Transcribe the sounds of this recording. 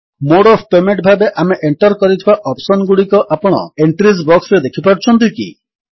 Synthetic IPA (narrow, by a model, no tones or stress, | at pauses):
moɽɔfʰpemeɳʈbʱabeʔameʔeɳʈɔɾkɔɾit̪ʰibaʔɔpsɔnɡuɽikɔʔapɔɽ̃ɔ̰eɳʈɾizbɔksɾed̪ekʰipaɽt͡ʃʰɔnt̪̬ikḭ